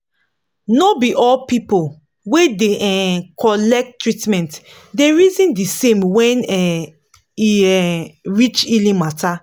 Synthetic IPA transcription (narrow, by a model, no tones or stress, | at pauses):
nobiʔɔlpipo | wedeʔɛkʰɔlɛk̚tɹitmɛ̃nt | deɹizĩndisẽmwɛ̃nɛ | iɛɹit͡ʃilĩmatʰa